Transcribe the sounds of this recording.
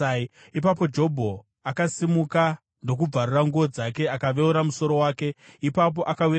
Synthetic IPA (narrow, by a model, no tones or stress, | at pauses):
ipapo̞d͡ʒo̞bʱo̞ | akasimuka | ndo̞k̬ub͡varuraŋɡuod͡zake̞akaʋe̞uɾamuso̞ɾo̞waːke̞ipap̬o̞ʔakawi